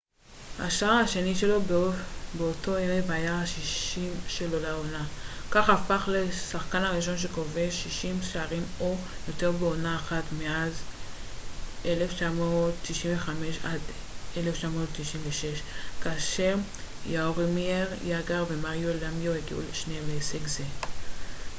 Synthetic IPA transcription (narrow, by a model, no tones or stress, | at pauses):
ha̰ʃaʁaʃe̞niʃe̞lo̞ | beoto̞elevajaaʃiʃimʃe̞lo̞laonakaχafaχle̞saχkanhaʁiʃ̬o̞nʃ̬eko̞ve̞ʃiʃimʃaaʁimo | jo̞te̞ʁbeo̞naːχatmeaz | ʔe̞left͡ʃamotːiʃinve̞χame̞ʃa̰de̞left͡ʃamo̞ːtːiʃimleʃe̞ʃkaːʃe̞ʁ | jaoʁimieʁjaɡaʁvemaʁjolamjoeɡeṵlʃneveeseɡze